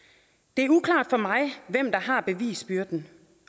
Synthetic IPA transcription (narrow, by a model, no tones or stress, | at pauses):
d̥e̝æɐukʰlɑ̰̈ːd̥fɒ̽mɑ̈ɪʋem̰d̥ɑ̈ɦɑ̈b̥e̝ʋḭːsb̥yɐd̥n̩